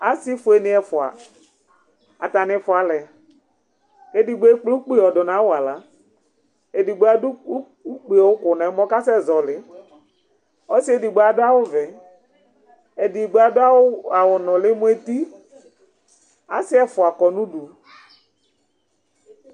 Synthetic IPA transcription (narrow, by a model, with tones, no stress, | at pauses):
a˦sɪ˦fʊ˨e˦nɪ̃˦ɛ˨˦fʊ˨a̰˨ | a̰˨t̪a˨nɪ̃˨fʊ˨a˨lɛ˨ | e˨di˨ɡ͡be˦k͡plo˦k͡pe˦˨ɔ˨ɖɔ˨nã˨˦wʊ˦a˨la˦ | e˨di˨ɡ͡be˦a˨dʊ˦u˦ | u˦k͡pe˨ɔ˨wʊ˦kʊ˨nã˨ɛ˨˦mɔ̃˦ka˦sɛ˦˨zɔ˨lɪ˨ | ɔ˦sɪ˦e˦di˨ɡ͡be˦a˨dʊ˦a˦wʊ˦vɛ˨ | e˨di˨ɡ͡be˦a˨dʊ˦a˦wʊ˦a˨wʊ˨nɔ̃˨lɪ˦mʊ˦e˦t̪i˦ | a̰˦sɪ˦ɛ˦fʊ˨a˨kɔ˨nũ˦ɖu˨